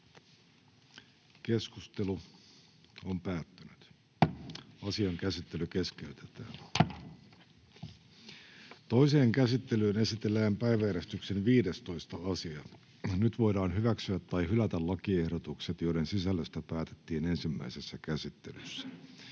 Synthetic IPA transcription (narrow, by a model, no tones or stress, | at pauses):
ke̞skust̪elu | ompæːt̪ːynyt̪ | ɑsiɑŋkæsit̪ːe̞lyke̞ske̞yt̪e̥t̪æːn | t̪o̞ise̞ːŋkæsit̪ːe̞lyːne̞sit̪elːæːmpæjʋæjeɾest̪yksenʋiːde̞st̪o̞ist̪ɑɑsiɑ | nyt̪ʋo̞jdɑːnɦyʋæksyæt̪ːɑjɦylæt̪ællɑkiehdot̪ukset̪jo̞iɾe̞nsisælːøst̪æpæːt̪e̞̥t̪ːiːnensimːæ̰isesːækæsit̪ːe̞̰lysːæ̥